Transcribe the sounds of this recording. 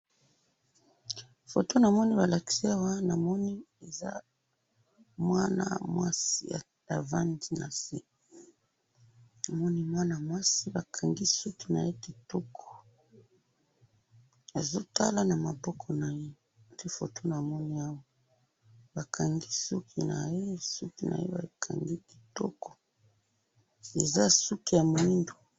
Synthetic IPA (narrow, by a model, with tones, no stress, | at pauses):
fo˨to˦na˨mɔ˦ni˦ba˨la˨ki̥˨si˦a˦wa˦na˨mɔ˦ni˦ | e˨za̰˦ | mwa˦na̰˨mwa˦si˦a̰˨ | ja˨va˦ndi˦na̰˨si˦ | na˨mɔ˦ni˦mwa˦na˨mwa˦si˦ba˨kʰa˨ŋɡi˦su˦tu˨na̰˨je˦ti˨to˦kʰɔ̥˨ | a˨zo˦ta˦la˦na˨ma˨bɔ˦kʰɔ˨na˨je˦˨ | ti˦fo̰˨to˦na˨mɔ˦ni˦a˦wa˨ | ba˨kʰa˨ŋɡi˦su˦kʰi˨na̰˨je˦su˦ki˨nʔa̰˨je˦ba̰˨kʰa̰˨ŋɡi˦ki̥˨tɔ̰˦kɔ̥˨ | e˨za˦su˦ki˨ja˨mo˨i˦ndo˨